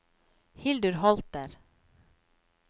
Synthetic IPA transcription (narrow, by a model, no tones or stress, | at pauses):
hɪld̪ʉɾhɔlt̪əɾ